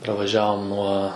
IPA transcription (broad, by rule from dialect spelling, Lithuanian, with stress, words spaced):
prɐʋɐˈʒʲæːʋoːm nuɔ